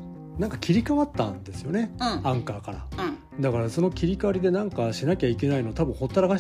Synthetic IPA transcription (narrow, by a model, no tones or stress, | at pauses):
nãŋkakʲʰiɾʲikaβat̪ːã̰nd̪e̞sɨjo̞ne̞ãŋkaːkaɾa̰ | d̪akaɾaso̞no̞kʲiɾʲikaaɾʲid̪e̞nãŋkaɕinakʲaike̞nainoːt̪abɯ̟̃ho̞t̪ːaɾaɡaɕ